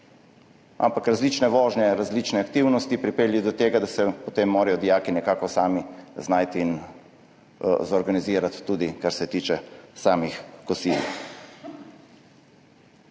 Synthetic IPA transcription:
a̰mpakɾazliːt͡ʃnɛʋɔːʒnɛɾazliːt͡ʃnɛak̚t̪iwnɔst̪ipɾipeːljɔd̪ɔt̪eːɡad̪asɛpɔt̪eːmːoːɾɛjɔd̪ijaːkinɛkaːkɔsaːmiznajt̪iːn | zɔɾɡaniziːɾat̪ːuːd̪ikaɾsɛt̪iːt͡ʃɛsaːmixkɔsiːl

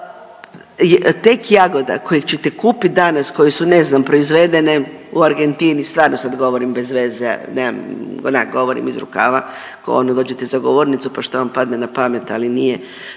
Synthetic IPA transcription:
jt̪ekjaɡo̞d̪a̰kojekt͡ʃet̪ekuːpit̪̚d̪anasko̞jesuneznampɾo̞izʋed̪e̞ne | uaɾɡe̞nt̪inist̪ʋaːɾnosad̪ɡo̞ʋoɾimbezʋezḛnea̰mona̰kɡo̞ʋoɾḭmizɾṵka̰ʋa | ko̰o̰nd̪od̪o̞ːd͡ʒet̪ezaɡoʋoːɾnit̪supaʃt̪oʋampad̪nenapamet̪alinije

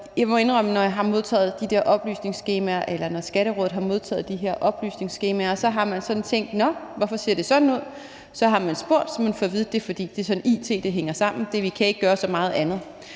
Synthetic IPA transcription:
jɑ̈mɒe̝nʁœmənɒjɑ̈ɦɑ̈mo̝ð̞ˠt͡sʰɛ̰ːð̞̩ˠd̥id̥eɐ̰ʔɒ̽b̥ly̰ːsne̝ŋsɡ̥e̝ːmæɐʔelɐnɒsɡ̥æɾ̥əʁɔ̰ːð̩ˠɦɑ̈mo̝ð̞ˠt͡sʰɛ̰ːð̩ˠd̥iɦe̝ɐ̰ʔɒ̽b̥ly̰ːsne̝ŋsɡ̥e̝ːmæɐsɒ̽ɦɑ̈mænsɒ̽d̥n̩t͡sʰeŋ̰d̥nɒ̽ʋɒfɒ̽se̝ɐ̰d̥e̝sɒ̽d̥n̩uð̞̰ˠ | sɒ̽ɦɑ̈mænsb̥o̝ɐ̰d̥sɒ̽mːænfɒʋiːð̞̩ˠd̥e̝fɒ̽d̥ḭːd̥e̝sɒ̽n̩iːt͡sʰe̝ːd̥eɦeŋɐsɑ̈m̰n̩d̥e̝ɐʋikʰæe̝ɡ̥əɡ̥ɶːɐsɒ̽mɑ̈ːð̩ˠænð̞̩ˠ

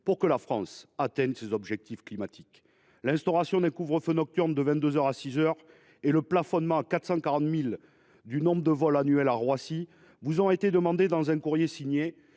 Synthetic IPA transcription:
puʁkəlafχɑ̰̃sat̪ɛ̃nsezɔbʒɛk̚t̪ifklimat̪ʰik | lɛ̃st̪ɔʁasjɔ̃d̪ɛ̃kuvʁəfønɔk̚t̪yʁnd̪əvɛ̃nt̪d̪øzœʁasizœʁ | eləplafɔnmɑ̃akat̪χəsɑ̃kaʁɑ̃t̪mil | d̪ynɔ̃bʁəd̪əvɔlanyɛlaʁwasi | vuzɔ̃et̪ed̪əmɑ̃d̪ed̪ɑ̃zɛ̃kuʁjesiɲje

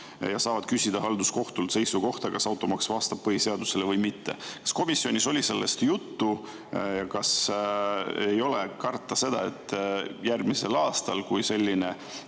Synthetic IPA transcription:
jɑsɑːvɑd̪̥̚kysid̪̥ɑɦɑld̪usko̞ht̪ult̪se̞jsuko̞ht̪ɑkɑsɑwt̪ːˑo̞mɑksvɑst̪ɑb̥̚pɤhise̞ɑd̪̥use̞levɤjmit̪ːe̞̰kɑ̥sko̞misːjo̞nʲiso̞lʲise̞lːest̪jut̪ːu | jɑkɑs | ejo̞lekɑrt̪ːˑɑse̞d̪̥ɑ̰e̞t̪ˑːjærɡmise̞lɑːst̪ɑlkujse̞lʲːine̞

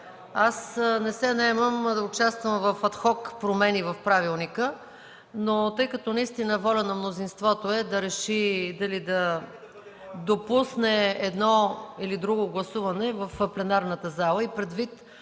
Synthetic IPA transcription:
asnɛsɛnɐɛməmd̪ɐʊt͡ʃast̪vəmvɐfɐt̪xɔkpɾomɛnivɐfpɾavilˠnikə | not̪ɤjkɐt̪ɔnɐist̪inəvɔlʲənɐmnozinst̪vɔt̪oɛd̪ɐɾɛʃid̪ɐlid̪ɐ | d̪opusnɛɛd̪nɔilid̪ɾuɡoɡlˠɐsuvɐnɛvəfplɛnaɾnət̪əzalˠəipɾɛd̪vit̪

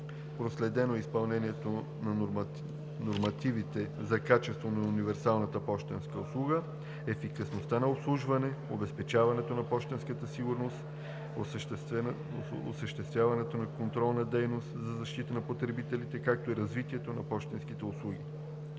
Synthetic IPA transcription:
pɾoslɛd̪ɛnoɛispɐlˠnɛniɛt̪o | nɐ | noɾmɐt̪ivit̪ɛzɐkat͡ʃɛst̪vonɐunivɛɾsalˠnɐt̪əpɔʃt̪ɛnskəʊslˠuɡə | ɛfikɐsnost̪anɐʊpslˠuʒvɐnɛobɛspɛt͡ʃavɐnɛt̪onɐpɔʃt̪ɛnskət̪əsiɡʊɾnost̪ | os | o̰səʃt̪ɛst̪vjavɐnɛt̪onɐkont̪ɾɔlˠnɐd̪ɛjnost̪zɐzɐʃt̪it̪ənɐpot̪ɾɛbit̪ɛlit̪ɛkak̚t̪oiɾɐzvit̪iɛt̪onɐpɔʃt̪ɛnsk̟it̪ɛʊslˠuɡʲḭ

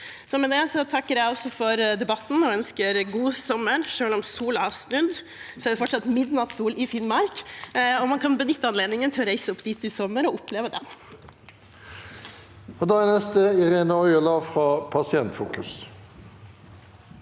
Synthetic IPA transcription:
sɔmɛd̪ɛsɔt̪ʰɑkːəɾjæɪɔsːɔfɔɾd̪ɛbɑt̪ːnɔœnskəɾɡuːsɔmːəɾʂøːlɔmsuːlɔɑsnʉd̪ | sɔæɖ̪ɛfɔʈʂɑt̪ːmɪd̪nɑt̪suːlɪfɪnmɑɾkɔmɑnkʰɑnbənʏt̪ːəɑnleːd̪nɪŋənt̪ʰɪlɔɾæɪsəʊpːd̪ɪt̪ːɪsɔmːəɾɔʊpleːʋəd̪ɛ̰n | ɔd̪ɑːænɛst̪əɪʁeːnəɔʏəlɑfʁɑːpʰɑsɪɛnt̪fṵːkʉs

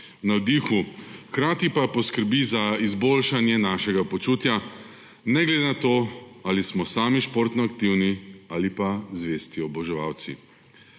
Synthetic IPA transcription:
nawd̪ixuxkɾaːt̪ipapɔskəɾbizaizboːlʃanjɛnaʃɛɡapɔt͡ʃuːt̪ja | nɛɡlɛd̪enat̪oːalismɔsaːmiʃpoɾt̪nɔakt̪iwniaːlipazʋeːst̪iɔbɔʒɛʋa̰wt̪sḭ

